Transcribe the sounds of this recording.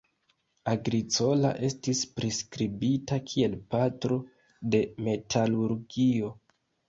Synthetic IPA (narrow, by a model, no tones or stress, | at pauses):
aɡɾit͡so̞la̰ʔe̞stispɾiskɾibitakʰie̞lpatɾo̞ | de̞me̞tʰaluɾɡio̞